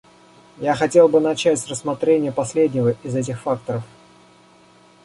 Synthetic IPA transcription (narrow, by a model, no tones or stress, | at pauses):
jaxɐtʲe̞lˠbɨnɐt͡ɕætʲrəsmɐt̪ɾʲenʲɪjəpɐsʲlʲedʲnʲɪvəʔɪzɛtʲɪxfakt̪əɾəf